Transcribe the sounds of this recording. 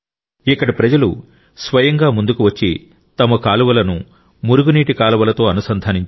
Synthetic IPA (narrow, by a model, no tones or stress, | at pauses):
ikːɐɽipɾɐd͡ʒɐlu | sʋɐjɐŋɡaːmund̪ukuʋɐt͡ʃːi | t̪ɐmɐkaːluʋɐlɐnu | muɾuɡuniːʈikaːluʋɐlɐt̪o̞ːɐnusɐnd̪ʱaːniɲt͡ʃ